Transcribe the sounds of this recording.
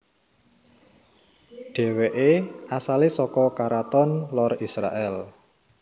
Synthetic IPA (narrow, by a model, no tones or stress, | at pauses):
ɖ̥e̤weʔeasalesɔkɔkaɾat̪ɔnlɔrisɾa̰ʔɛl